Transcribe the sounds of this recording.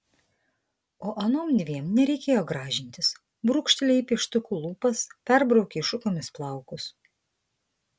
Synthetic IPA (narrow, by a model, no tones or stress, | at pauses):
oːʔɐnoːmd̪ʲʋʲiɛmnʲɛɾʲɛɪkʲeːjoːɡɾɑːʒʲɪnʲt̪ʲɪs | bɾuːkʃʲt̪ʲɛlʲɛipʲiʃt̪ʊkuːlˠuːpɐspʲɛɾbɾɐʊkʲeʃʊkomʲɪsplˠɑˑʊkʊs